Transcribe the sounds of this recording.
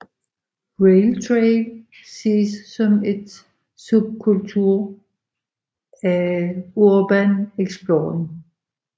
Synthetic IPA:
ʁeɪlt͡sʰʁel | se̝̰ːsːɒ̽me̝d̥ | sub̥̚kʰult͡sʰuɐ̰ | æoɐb̥æneɡ̥sb̥lon

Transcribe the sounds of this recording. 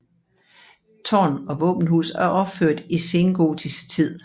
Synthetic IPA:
t͡sʰɒ̰ːnɒ̽ʋɔ̰ːb̥n̩hṵːsæɐʔɒ̽b̥føɐ̰d̥ise̝nɡ̥o̝̰ːdʰisɡ̥t͡sʰið̰ˠ

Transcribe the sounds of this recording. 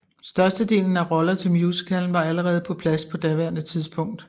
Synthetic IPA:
sd̥ɶɐsd̥əd̥e̝̰ːln̩æʁɒ̽lɐt͡sʰe̝lmjusə̥kʰæln̩ʋɑ̈æləʁɛːð̩ˠpʰɒ̽pʰlæspʰɒ̽d̥æʋæɐ̰nət͡sʰiðˠsb̥ʰɔ̽ŋ̰d̥

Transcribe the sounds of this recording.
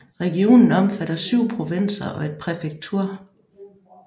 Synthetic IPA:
ʁɛɡ̥io̝̰ːnn̩ɒ̽mfæɾ̥ɐsyʊ̰pʰʁo̝ʋen̰sɐʔɒ̽e̝d̥̚pʰʁɛfeɡ̥̚t͡sʰuɐ̰

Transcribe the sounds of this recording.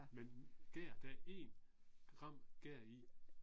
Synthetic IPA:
menɡ̥eːɐ̰d̥æe̝ːnɡ̥ʁɑ̈m̰ɡ̥eɐ̰i

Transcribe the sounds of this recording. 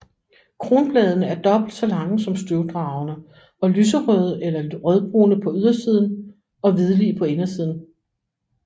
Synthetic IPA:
kʰʁo̝ːnb̥lɛːð̞ˠnəæɐd̥ɒ̽b̥l̩d̥sɒ̽lɑ̈ŋəsɒ̽msd̥yʊd̥ʁɑ̈ʊnə | ɒ̽lyːs̬əʁœð̞ˠelɐʁœð̞ˠb̥ʁo̝̰ːnəpʰɒ̽yðˠɐsiːð̞̰ˠn̩ | ɒ̽ʋið̞ˠəlḭːpʰɒ̽e̝nɐsiːð̞ˠn̩

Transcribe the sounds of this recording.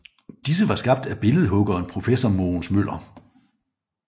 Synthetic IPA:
d̥is̬əʋɑ̈sɡ̥ɑ̈b̥̚d̥æb̥e̝lð̞̩ˠɦɔ̽ɡ̥ɐenpʰʁo̝fesɒmoːnsmøl̰ɐ

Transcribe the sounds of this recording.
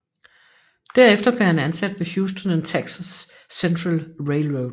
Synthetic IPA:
d̥æɐefd̥ɐb̥le̝ɐhænænsæd̥ʋehjuːsd̥ɔnent͡sʰeɡ̥sɐsː | ent͡sʰʁɑlʁeɪlʁoʊd̥

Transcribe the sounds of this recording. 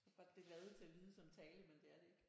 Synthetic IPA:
ɡ̥ɒ̽d̥ːe̝ɡ̥lɛð̞ˠət͡sʰe̝æʋiːð̞ˠəsɒ̽mt͡sʰɛːləmend̥e̝æɐɾee̝ɡ̥

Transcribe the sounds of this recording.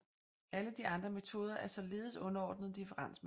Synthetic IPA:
æləd̥iʔɑ̈nd̥ʁɐme̝t͡sʰo̝ːð̞ˠɐʔæɐsɒ̽le̝ːð̞̩ˠsɔ̽nɐɒ̰ːd̥nð̞̩ˠd̥ifəʁɑ̈n̰sm

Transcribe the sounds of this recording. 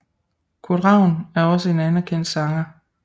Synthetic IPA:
kʰod̥ʁɑ̈ʊ̰næɐɒ̽səe̝nænæɐkʰen̰d̥sɑ̈ŋɐ

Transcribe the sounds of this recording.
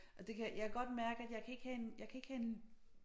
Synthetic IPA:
ʔɒd̥e̝kʰæjakʰæɡ̥ɒ̽d̥mæɐɡ̥əæd̥jɑ̈ɪkʰæe̝ɡ̥hæenjɑ̈ɪkʰæe̝ɡ̥hæe̝n

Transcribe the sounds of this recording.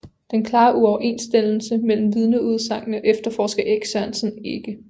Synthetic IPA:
d̥enkʰlɑ̈ːʔuɒʊɐʔe̝nsd̥el̰l̩səmel̰m̩ʋið̞ˠnəuð̞ˠsɑ̈ŋ̰nəʔefd̥ɐfɒːsɡ̥ɐʔeɡ̥sæn̰sn̩e̝ɡ̥ə

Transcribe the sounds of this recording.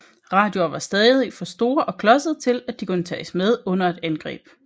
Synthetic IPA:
ʁɑ̈ːd̥jo̝ɐʋɑ̈sd̥ɛːðˠifɒ̽sd̥o̝ːɐʔɒ̽kʰlɒ̽səð̩ˠt͡sʰe̝læd̥ikʰunət͡sʰɛ̰ːsmeð̞ˠɔ̽n̰ɐe̝d̥ænɡ̥ʁɛ̰ːb̥

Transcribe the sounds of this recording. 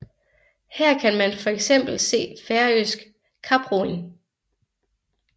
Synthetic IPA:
hɛɐ̰kʰænmænfɒ̽eɡ̥sem̰b̥l̩se̝̰ːfæɐøsɡ̥ | kʰɑ̈b̥ʁol

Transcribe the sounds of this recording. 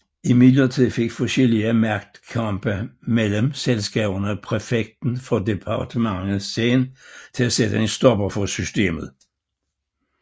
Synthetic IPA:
imid̥lɐt͡sʰið̰ˠfe̝ɡ̥fɔɕeliæmæɐɡ̥̚d̥kʰɑmb̥əmeləmselsɡ̥ɛ̰ːb̥ɐnəæpʰʁefeɡ̥̚d̥n̩fɒ̽de̝pʰɑ̈d̥ʰəmɑ̈ŋəseːnt͡sʰe̝læsed̥əensd̥ɒ̽b̥ɐfɒ̽sysd̥e̝̰ːmð̞̩ˠ

